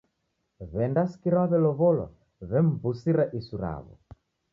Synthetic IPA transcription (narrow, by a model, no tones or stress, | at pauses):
βɛndaskiɾaβɛlɔβɔlɔ̰ | βɛm̩busiɾaʔisuɾa̰βɔ̰